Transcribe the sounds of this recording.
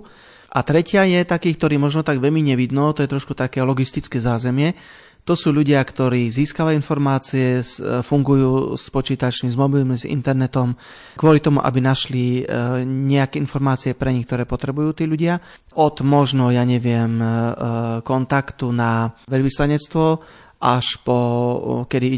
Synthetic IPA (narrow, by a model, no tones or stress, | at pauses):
ʔat̪ɾɛcɪajɛt̪akiːkt̪ɔɾiːmɔʒnɔt̪aɡʋɛʎmiɲɛʋid̪nɔːt̪ɔjɛt̪ɾɔʃkut̪akɛːlɔɡist̪it͡skɛːzaːzɛmɪɛ | t̪ɔsuːʎuɟɪakt̪ɔɾiːziːskaʋainfɔɾmaːt͡siɛsfuŋɡujuːspɔt͡ʃiːt̪at͡ʃmizmɔbilmizḭnt̪ɛɾnɛt̪ɔm | kʊɔlit̪ɔmuʔa̰binaʃli | ɲɛakɛːinfɔɾmaːt͡siɛpɾɛɲixk̚t̪ɔɾɛːpɔt̪ɾɛbujuːt̪iːʎuɟɪa | ʔɔd̪mɔʒnɔjaːɲɛʋɪɛm | kɔnt̪akt̪unaʋɛʎʋislaɲɛt͡st̪ʋɔ | ʔaʃpɔkɛd̪i